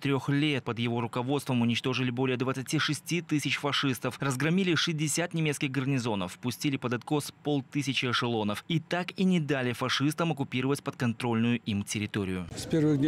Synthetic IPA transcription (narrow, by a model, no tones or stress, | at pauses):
t̪ɾʲoxlʲe̞t̪̚pəd̪jɪvo̞ɾʊkɐvo̞t̪st̪vəmʊnʲɪt͡ɕt̪o̞ʐɨlʲɪbo̞lʲɪjəd̪vət̪sɨtʲiʂɨsʲtʲit̪ɨsʲɪt͡ɕfɐʂɨst̪əfrəzɡɾɐmʲilʲɪʂɨzʲdʲɪsʲat̪nʲɪmʲet̪kʲɪxɡərnʲɪzo̞nə̰fpʊsʲtʲilʲɪpəd̪ɐt̪kospo̞lˠt̪ɨsʲɪt͡ɕɪɐʂɨlˠo̞nəfit̪akinʲɪd̪alʲɪfɐʂɨst̪əmɐkʊpʲiɾəvətʲpət̪kɐnt̪ɾo̞lʲnʊjʊʔimtʲɪɾʲɪt̪oɾʲɪjʊspʲervɨɣd̪ʲ